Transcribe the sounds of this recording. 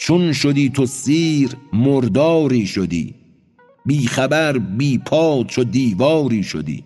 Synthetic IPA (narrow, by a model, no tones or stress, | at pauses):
t͡ʃʰonʃod̪iːt̪ʰosiːɾmoɾd̪ɒːɾiːʃod̪ḭː | biːxæbæɾbiːpʰɒːt͡ʃʰod̪iːvɒːɾiːʃo̰d̪ḭː